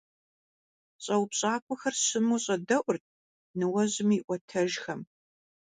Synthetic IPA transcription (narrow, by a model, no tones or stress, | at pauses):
ɕʼɐwpɕʼaːkʷʰʼʊxɐrɕɪmuɕʼɐdɐʔʷʊrt̚ʰ | nɨwɐʑɪmiːʔʷɔtʰɐʒxɐm